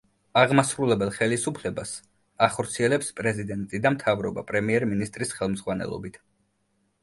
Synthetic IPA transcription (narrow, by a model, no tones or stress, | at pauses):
aʁmasɾulɛbɛlˠχɛlisupʰlɛbas | aχɔɾt̪sʰiɛlɛpspʼɾɛzid̪ɛnt̪ʼid̪amt̪ʰavɾɔba̰pʼɾɛmiɛɾminist̪ʼɾisχɛlˠmzʁwanɛ̰lˠɔ̰bit̪ʰ